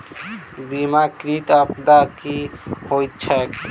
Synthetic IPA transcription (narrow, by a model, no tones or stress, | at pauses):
bimakɾit̪əpd̪akihojt̪t͡ʃʰɛk